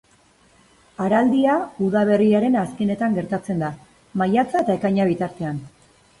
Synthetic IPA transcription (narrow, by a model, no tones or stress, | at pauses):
aɾald̪iauðaβ̞e̞riaɾe̞naskene̞t̪aŋɡe̞ɾt̪at͡se̞nd̪a | majat͡sae̞t̪ae̞kajɲaβ̞it̪aɾt̪e̞an